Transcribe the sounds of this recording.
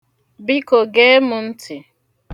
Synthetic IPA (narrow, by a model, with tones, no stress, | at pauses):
bi˦ko˨ɡe˦mʊ˨n̩˦tʰɪ˨